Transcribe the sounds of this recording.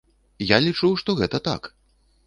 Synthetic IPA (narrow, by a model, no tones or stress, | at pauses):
jalʲit͡ʂuwʂt̪ɔɣɛt̪ɐt̪a̰k